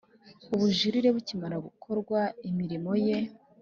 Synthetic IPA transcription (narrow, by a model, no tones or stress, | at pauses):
uβuʒiɾiɾe̞βucimaɾaβukʰo̞ɾɡwaimiɾimo̞je̞